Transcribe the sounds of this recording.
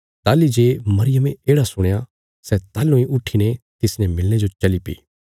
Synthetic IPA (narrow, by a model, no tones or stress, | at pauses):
t̪aːlid͡ʒeːmɐɾɪjəmeeːɽasʊɽ̃eja | sɛt̪aːlũĩʔʊʈʰːinet̪ɪsnɛmɪlñed͡ʒot͡ʃɐlipḭː